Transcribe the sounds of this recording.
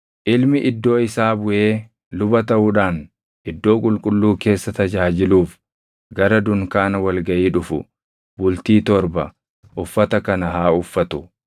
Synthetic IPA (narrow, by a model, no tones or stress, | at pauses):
ʔɪlmɪʔɪd̪ːo̞ːɪsaːbʊʔe̞ː | lʊbɐt̪ɐʔuːᶑaːn | ʔɪd̪ːo̞ːkʼʊlkʼʊlːuːke̞ːsːɐt̪ɐd͡ʒaːd͡ʒɪluːf | ɡɐɾɐd̪ʊŋkaːnɐwɐlɡɐʔiːᶑʊfʊ̰ | bʊlt̪iːt̪ɔɾbɐ | ʔʊfːɐt̪ɐkɐnɐɦaːʊfːɐt̪ʊ